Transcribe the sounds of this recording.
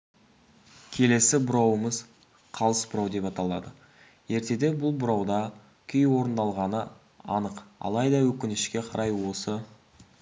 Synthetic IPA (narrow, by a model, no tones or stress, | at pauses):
kʲʰe̞le̞sɪbʊɾɑwəməz | qʰɑlˠəsbʊɾɑwd̪e̞pɑt̪ɑlˠɑd̪ə | je̞ɾt̪e̞d̪e̞bʊlˠbʊɾɑwd̪ɑ | kʲʰʏjwo̞ɾənd̪ɑlˠʁɑnə | ɑ̰nəqɑ̰lˠɑjd̪ɑwɵkʲɪnɪʃkʲe̞qʰɑɾʔɑjwo̞sə